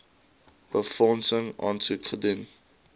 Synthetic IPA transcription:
b̥əfɔnsəŋɑ̰ːnsukχədun

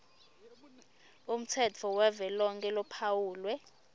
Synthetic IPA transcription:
um̩tʰɛt͡fʰɔwɛvɛlɔŋkʼɛlɔpʰawuːlwɛ

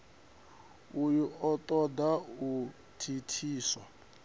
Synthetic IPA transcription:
ujuɔt̪ʼɔdau | tʰitʰiːswa

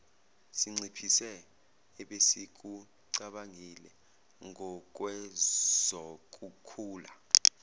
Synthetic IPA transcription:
siŋ͡ǀipʰisɛː | ɓesik̬u | ǀaɓaŋilɛ | ŋʱɔk̬wɛz̥ɔk̬ʼukʰuːla

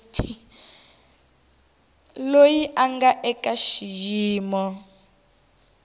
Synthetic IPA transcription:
lojiʔaŋɡaʔɛkaʃijiːmɔ

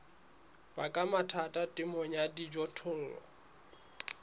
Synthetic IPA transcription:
b̥akʼamatʰatʼatʼɪmɔɲadid͡ʒɔtʰʊl̩lɔ̰

